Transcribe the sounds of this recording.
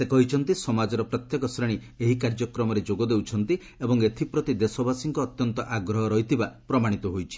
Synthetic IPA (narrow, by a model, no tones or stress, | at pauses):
sekɔɦit͡ʃʰɔnt̪isɔmad͡ʒɔɾɔpɾɔt̪jɔkɔsɾeɽ̃i | eɦikaɾd͡ʒɔkɾɔmɔɾed͡ʒoɡɔd̪ewt͡ʃʰɔnt̪i | ebɔŋet̪ʰipɾɔt̪id̪esɔbasiŋkɔːt̪jɔnt̪ɔʔaɡɾɔɦɔɾɔɦit̪ʰibapɾɔmaɽ̃it̪ɔɦojt͡ʃʰi̥